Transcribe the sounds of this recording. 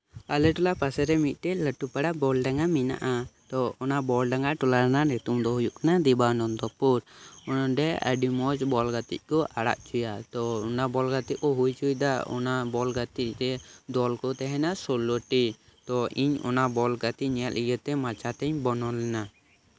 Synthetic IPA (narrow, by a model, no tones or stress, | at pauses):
alɛʈɔlapasɛɾɛmit̪̚ˀt̪ɛləʈupaɽabɔlɖaŋamina̰ʔat̪ɔɔnabɔlɖaŋaʈulaɾnanɛt̪umd̪ɔɦujuʔkanad̪ɛbanɔnd̪ɔpuɾɔnɔɖɛə̰ɖimɔd͡ʒbɔlɡat̪ḭc̚ˀkɔʔaɽa̰ʔt͡ʃujat̪ɔɔnabɔlɡat̪ic̚kɔɦujt͡ʃujd̪aɔ̰nabɔlɡat̪ic̚t̪ɛd̪ɔlkɔt̪ɛɦɛnasɔlɔʈi | t̪ɔiɲɔ̰nabɔlɡat̪iɲɛjaʔ̪iɡət̪ɛmat͡ʃat̪ɛɲbɔnɔlɛna